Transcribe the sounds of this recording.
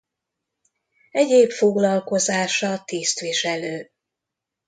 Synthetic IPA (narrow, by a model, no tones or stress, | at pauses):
ɛɟeːpfoɡlɒlko̞zaːʃɒt̪iːst̪ʋiʃɛløː